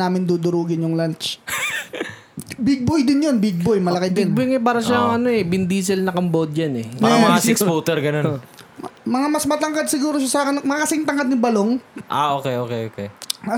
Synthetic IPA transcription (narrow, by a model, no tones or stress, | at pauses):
aːmɪnd̪uːd̪ʊɾuːɡɪnjʊŋlant͡ʃ | bɪɡ̚bojd̪ɪnjonbɪɡ̚bojmɐlɐkɪbd̪ɪn̚bojŋɐpaːɾɐʃaŋɐnoɛbɪnd̪iːs̬ɛlnɐkɐmbod̪̚janɛpaːɾɐmɐŋasɪkspuːt̪ɛɾɡɐnon | mɐŋamɐsmɐt̪ɐŋkad̪̚sɪɡuːɾoʃasaːkɪnmɐakɐsɪŋt̪ɐŋkɐd̪nɪbɐloŋʔaʔoːkɛjʔoːkɛjʔoːkɛ̰